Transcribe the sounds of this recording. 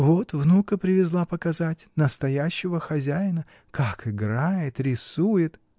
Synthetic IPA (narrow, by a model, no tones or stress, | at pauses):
vo̞t̪vnukəpɾʲɪvʲɪzlˠapəkɐzatʲnəst̪ɐjæɕːɪvəxɐzʲæjɪnə | kʰakɪɡɾajɪt̪ɾʲɪsujɪt̪